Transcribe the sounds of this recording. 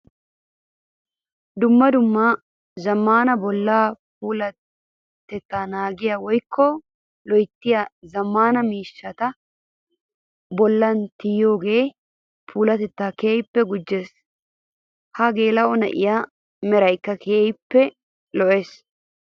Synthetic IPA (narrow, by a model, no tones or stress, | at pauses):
d̪ʊmːɐd̪ʊmːa | zɐmːaːnɐbɔlːaːpuːlɐ | t̪ɛt̪ːaːnaːɡɪjawɔjkʰːɔ | lɔjt̪ːɪjazɐmːaːnɐmiːʃːɐt̪ɐ | bɔlːɐnt̪ɪjjo̞ːɡe̞ː | pʰuːlɐt̪ɛt̪ːaːkeːjɪpːɛɡʊd͡ʒːe̞ːs | hɐɡe̞ːlɐʔɔnɐ̰ʔɪ̰jaː | mɛɾɐjkːɐkʰeːjpːɛ | lɔʔeːs